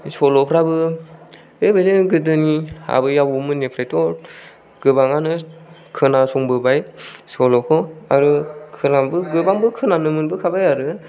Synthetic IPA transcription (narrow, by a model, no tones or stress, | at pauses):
sɔlɔpʰɾabɯ | ebajzeɡɯdɯnia̰bɯjabumɯnepʰɾajtɔɾ | ɡ̥ɯbaŋanɯkʰɯnasɔŋbɯbajsɔlɔkʰɔa̰ɾɯkʰɯnambɯɡɯbaŋbɯkʰɯnanɯmɯnbɯkʰabajaɾɯ